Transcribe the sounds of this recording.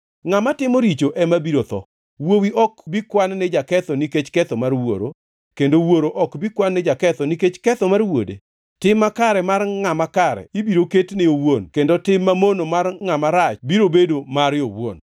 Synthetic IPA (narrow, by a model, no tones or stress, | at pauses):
ŋamatɪmoɾit͡ʃoʔɛmabiɾot̪ɔ̰ | wowiʔɔkbikwannɛd͡ʒakɛt̪ɔniket͡ʃkɛt̪ɔmarwo̰ɾo̰ | kendowoɾoʔɔkbikwanːɛd͡ʒakɛt̪ɔniket͡ʃkɛt̪ɔmarwo̰dḛ | tɪmːakaɾɛmarŋamakaɾɛ̰ibiɾoketnɪowonkendotɪmːamonomarŋamaɾat͡ʃbiɾobedomaɾjowo̰n